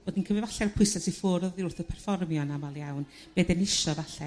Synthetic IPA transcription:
b̥oːdinkʰəmɪvaɬɛɾpʰʊɨsɛsifʊːɾɔðiʊrθɔpʰɛrfɔrmjɔnamalˠjawn | b̥eːdɛnɪʃɔvaɬɛ

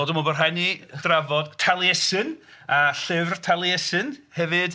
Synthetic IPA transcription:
oːdəmɔbərɦajnid̥ravɔd̥tʰalˠjɛsɨnaɬɪvrtʰalˠjɛsɨnhɛvɨd̥

